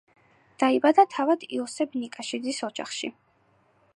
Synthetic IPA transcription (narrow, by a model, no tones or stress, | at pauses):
d̪̥aibad̪at̪ʰavad̪̥ḭɔsɛbnikʼaʃid̪zisɔd͡ʒa̰χʃḭ